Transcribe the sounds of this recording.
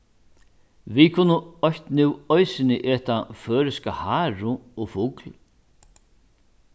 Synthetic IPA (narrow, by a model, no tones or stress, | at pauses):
vikʰʊnəɔçt̪nuwɔjsɪnɪʔɛːt̪afœːɾɪskahaːɾʊɔfʊkl